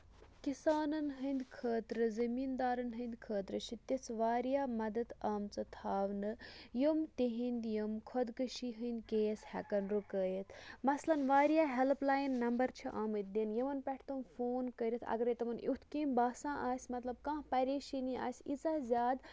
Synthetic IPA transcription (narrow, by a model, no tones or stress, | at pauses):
kisaːnɐnɦɨnd̪ʲkʰəːt̪ɾɨzɐmiːnd̪aːɾɐnɦɨnd̪kʰəːt̪ɾɨt͡ʃʰit̪it͡sʋaːɾijaːmɐd̪ɐd̪aːmt͡sɐt̪ʰaːʋnɨjumt̪iɦind̪jumkʰɔd̪kɨʃiɦɨnd̪keːjshɛ̰kɐnɾukəːjit̪ʰmɐslɐnʋaːɾijaːɦɛlplaːjnːɐmbɐɾt͡ʃʰiʔaːmɨt̪̚d̪injiʋɐnpʲɛʈʰt̪ɐmfoːnkəɾit̪ʰɐ̰ɡɐɾet̪ɐmɐnʔut̪ʰkĩːmbaːsãːʔaːsʲmɐt̪lɐb̚kãːpɐɾʲeːʃinia̰ːsʲit͡saːzʲjaːd̪